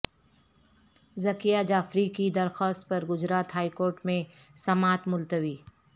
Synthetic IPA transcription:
zɐkijad͡ʒaːfɾikid̪ɐɾxaːst̪̚pɐɾɡʊzɾaːt̪ɦaːikoːɾʈmẽ | sɐmaːt̪mʊlt̪əʋiː

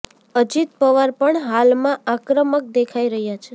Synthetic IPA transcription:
əd͡ʒit̪̚pəʋaɾpəɳɦalmãʔakɾəmək̚d̪ekʰaiɾəɦjat͡ʃʰe

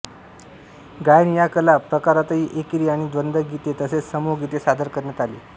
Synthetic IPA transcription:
ɡajenjakəlapɾəkaɾat̪əiʔekiɾiaɽ̃id̪ʋənd̪ʱəɡit̪et̪əsesəmuɡit̪esad̪ʱəɾkəɾɳjat̪alḭː

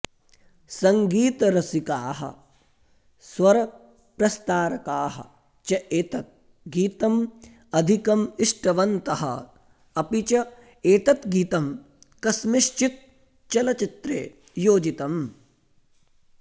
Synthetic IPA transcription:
sɐŋɡiːt̪ɐɾɐsikaːɦɐ̰ | sʋɐɾɐ | pɾɐst̪aːɾɐkaːɦɐ̰ | t͡ʃɐʔeːt̪ɐt̪̚ | ɡiːt̪ɐm | ɐd̪ʱikɐmiʂʈɐʋɐnt̪ɐɦɐ̰ | ɐpit͡ʃɐ | eːt̪ɐt̪ɡiːt̪ɐm | kɐsmiʃt͡ʃit̪̚ | t͡ʃɐlɐt͡ʃit̪ɾḛː | joːd͡ʒit̪ɐm

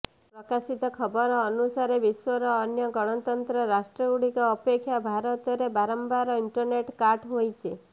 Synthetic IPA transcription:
pɾɔkasit̪ɔkʰɔbɔɾɔːnusaɾebiswɔɾɔːnjɔɡɔɽ̃ɔt̪ɔnt̪ɾɔɾasʈɾɔuɽikɔːpekʰːjabʱaɾɔt̪ɔɾebaɾɔmbaɾɔiɳʈɔɾneʈkaɾʈɦojt͡ʃʰe

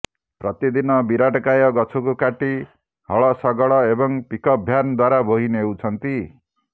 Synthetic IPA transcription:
pɾʌt̪id̪inʌbiɾaʈɔkajʌɡʌt͡sʰokukaʈi | ɦʌɭɔsʌɡɔɽɔebɔŋpikʌp̚bʱjand̪waɾabʱoɦinewt͡sʰʌnt̪i

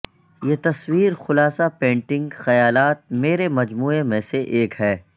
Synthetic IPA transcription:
jeːt̪ɐswiːɾxʊlaːsapẽːɳʈɪ̃ŋɡxɐjaːlaːt̪̚meːɾemɐd͡ʒmuːemẽseʔeːkɦɛː

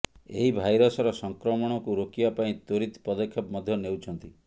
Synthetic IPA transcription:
ḛɦibʱajɾɔsɔɾɔsɔŋkɾɔmɔɽ̃ɔkuɾokibapaĩt̪oɾit̪pɔd̪ɔkʰjɔpmɔd̪ʱjɔnewt͡ʃʰɔnt̪i

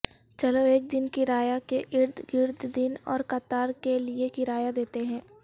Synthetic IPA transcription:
t͡ʃɐloeːk̚d̪ɪnkiɾaːjakeʔɪɾd̪ʱɡɪɾd̪ʱd̪ɪnɔ̰ːɾkat̪aːɾkeliekiɾaːjad̪eːt̪eɦɛ̃ː

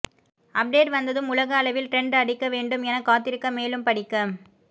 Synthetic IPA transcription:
ʔɐp̚ɖeːʈʋɐnd̪ɐðɯmʊlɐɣɐːlɐʋɪlʈɾɛɳɖɐɽɪkːɐʋeːɳɖɯmɛnɐkːaːt̪ːɪɾɯkːɐmeːlɯmpɐɽɪkːɐm

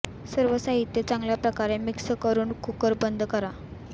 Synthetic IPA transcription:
səɾʋəsaɦit̪jət͡sãŋɡljapɾəkaɾẽmiksəkəɾuːnkukəɾbənd̪ʱkəɾa

